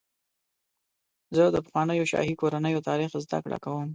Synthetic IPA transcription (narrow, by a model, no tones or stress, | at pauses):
zəd̪əpaxwɑnəjoʃɑ̰hikoɾanəjot̪ɑɾixzd̪a̰kɽa̰kawəm